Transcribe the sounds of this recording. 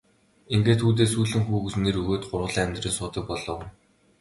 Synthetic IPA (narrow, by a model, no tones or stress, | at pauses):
iŋɡeːt̪xuːt̪̬eːsuːɮɘ̆ŋxuːɣɘ̆sneɾuɣoːt̪̚ɢʊrʁə̆ɮiːŋæmʲt̪riːnsʊːt̪ə̆k̚pɔɮɞ̆ːwn